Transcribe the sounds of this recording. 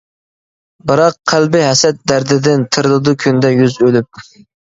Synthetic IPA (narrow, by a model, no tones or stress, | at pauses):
bɨɾɑqːʰælbɪɦɛsɛt̪̚d̪æɾd̪ɪd̪ɪnt̪ʰɨɾɨlˠɨd̪ukʲʰynd̪ɛjyzølyp̚